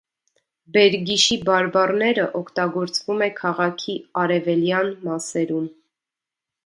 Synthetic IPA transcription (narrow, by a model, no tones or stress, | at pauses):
bɛɾɡiʃibɑɾbɑrnɛɾəʔɔkʰt̪ɑɡɔɾt͡svumɛkʰɑʁɑkʰiɑɾɛvɛljɑnmɑsɛɾum